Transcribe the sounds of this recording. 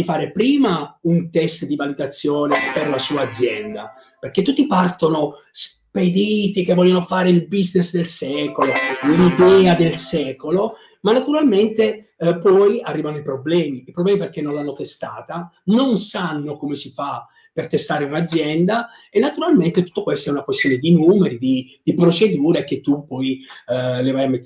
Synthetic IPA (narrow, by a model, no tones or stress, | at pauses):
d̪ifaːɾepɾiːmaunt̪ɛst̪d̪ivalid̪at̪sːjoːneperlasuːaːd̪zːjɛnd̪a | perk̟et̪ːut̪ːipart̪ono | sped̪it̪ik̟evːɔljonofaːɾeilbiznesd̪elsɛːkololid̪ɛːad̪elsɛːkolo | manːat̪uɾalment̪e | pɔjarːivanoipɾoblɛːmiːpɾoblɛːmiperk̟enːõnlanːot̪est̪aːt̪anonsanːokomesifa | pert̪est̪aːɾeunad̪zːjɛnd̪a | enːat̪uɾalment̪et̪u̥t̪ːokwest̪oɛunakwest̪joːned̪inuːmeɾid̪id̪̥ipɾot͡ʃed̪uːɾek̟et̪ːupːɔj | levajamet̪ː